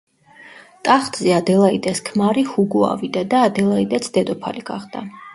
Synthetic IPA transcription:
t̪ʼaχt̪ʼzɛad̪ɛlˠaid̪ʼɛskʰmaɾihuɡua̰vid̪ad̪aːd̪ɛlˠaid̪ʼɛt̪sʰd̪ɛd̪ɔpʰa̰liɡ̥a̰χd̪̥a

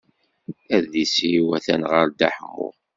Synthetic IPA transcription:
æðisiwæθænʁəɾd̪aħmʊ̰ʁ

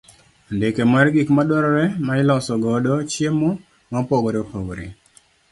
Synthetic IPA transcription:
ndekemarɡikmadwɔɾɔɾɛmaɪlɔsɔɡɔdot͡ʃjemɔ | mapoɡɔɾɛopoɡɾḛ

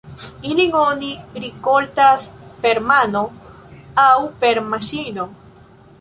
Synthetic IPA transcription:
iliŋoniɾikolt̪aspeɾmano | awpeɾmaʃino

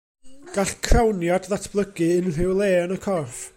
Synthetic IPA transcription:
ɡ̥aɬkʰrawnjadðatʰb̥lˠəɡɨɨnr̥ɪwlˠeːnəkʰɔrf

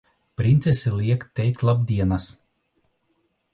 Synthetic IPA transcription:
pʲɾʲinʲt̪sʲɛsʲɛlʲiɛkt̪ʲːɛjk̚t̪lˠab̚d̪ʲiɛnɐs

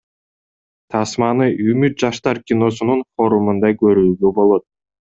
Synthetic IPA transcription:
t̪ʰɑsmɑnɯʔymyt̪̚d͡ʒɑʃt̪ɑɾkʲino̞sununfo̞ɾumund̪ɑkø̞ɾyːɡøbo̞lˠo̞t̪̚

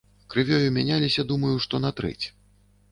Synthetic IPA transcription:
kɾɨvʲɔjumʲanʲalʲisʲɐd̪umɐjuʂt̪ɔnat̪ɾɛ̰t͡sʲ

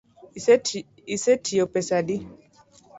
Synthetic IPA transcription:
isɛtʰiopɛsadi

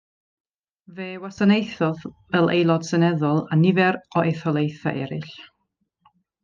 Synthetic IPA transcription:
veːwasanejθɔðvɛlˠʔḛjlˠɔd̥sənɛðɔlˠanɪvɛɾɔʔeθɔlˠejθa̰ʔɛɾɪɬ

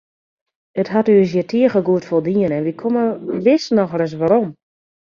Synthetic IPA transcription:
əthatyəs̬jɛtʰiəxəɡuətfolˠdiənɛnʋikʰoməʋɪsnɔxrɛs̬ʋaɾom

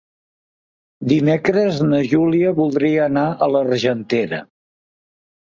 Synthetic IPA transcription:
d̪imekɾəznəʒuliəβulˠd̪ɾiəːnaʔələrʒənt̪eɾə̰

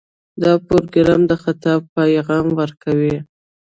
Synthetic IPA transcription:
d̪ɑpoɾɡɾɑmd̪əxat̪ɑb̚pajɣɑmwəɾkʰawi

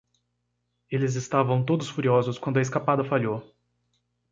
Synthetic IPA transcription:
elɪzɪst̪avɐ̃w̃t̪od̪ʊsfuɾiɔzʊskwɐ̃nd̪ʊɐes̬kapad̪ɐfaʎo

